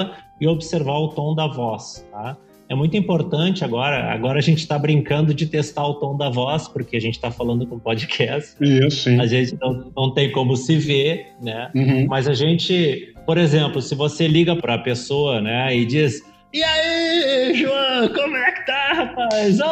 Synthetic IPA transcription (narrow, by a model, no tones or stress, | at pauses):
ɐ | ɪobɪseɾvaɾʊt̪õw̃d̪ɐvɔst̪a | ɛmũj̃t̪ʊĩpoɾt̪ɐ̃t͡ʃɪaɡɔɾɐ̰a̰ɡɔɾɐaʒẽnt͡ʃɪ̥t̪abɾĩŋkɐ̃nd̪ʊd͡ʒɪt̪est̪aɾʊt̪õw̃d̪ɐvɔspoɾkeaʒẽnt͡ʃɪ̥t̪afalɐ̃nd̪ʊkõpod͡ʒɪkʰɛst͡ʃɪisʊĩaʒẽnt͡ʃɪnɐ̃w̃nɐ̃w̃t̪ẽj̃kõmʊsɪvenɛ̃hmɐzaʒẽnt͡ʃɪpoɾezẽmplʊsɪvoseliɡɐpɾɐpesoɐnɛɪd͡ʒis | iaiʒuɐ̃kõmʊɛkɪ̥t̪ahapajz